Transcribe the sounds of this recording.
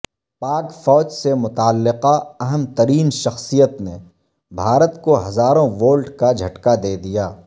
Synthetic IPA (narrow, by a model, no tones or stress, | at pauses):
paːkfɔːd͡ʒsemʊt̪aːlːɪqaɐɦəmt̪ɐɾiːnʃɐxsijət̪ne | bʱaːɾət̪koɦɐzaːɾõʋoːlɖkad͡ʒʱɐʈkad̪eːd̪ijaː